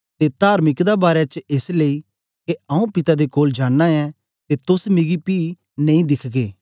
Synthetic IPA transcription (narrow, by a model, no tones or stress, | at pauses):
t̪et̪aːɾmɪkd̪abaːɾɛt͡ʃesleːi | keɐũpɪt̪ad̪ekoːld͡ʒaːnːaɛ | t̪et̪ʊsmɪɡipiː | nɐ̃ĩd̪ɪkʰɡeː